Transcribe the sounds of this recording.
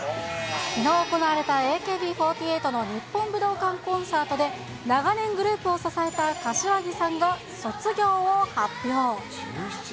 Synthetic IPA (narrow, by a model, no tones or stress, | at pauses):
kʲinoːko̞naβaɾe̞t̪ae̞ːke̞ːbʲiːɸo̞ːt̪ʲieːt̪o̞no̞ɲ̟ipːõ̞mbɯ̟d̪o̞ːkãŋkõ̞ɰ̃saːt̪o̞d̪e̞ | naɡanẽ̞ŋɡɯ̟ɾɯ̟ːpɯ̟o̞sasae̞t̪akaɕiaɡʲisãŋɡa | so̞t͡sɨɡʲo̞ːohapʲːjo̞ː